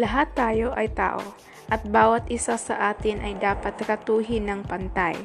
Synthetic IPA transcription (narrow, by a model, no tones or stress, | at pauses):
lɐɦat̪ːaːjo̞ʔɐjt̪a̰ːʔo̞̰ | ʔɐt̪̚baːwɐt̪ʔɪsasɐ̰ʔaːt̪ɪnʔɐjd̪aːpɐt̪kɐt̪uːɦɪnɐŋpɐnt̪aj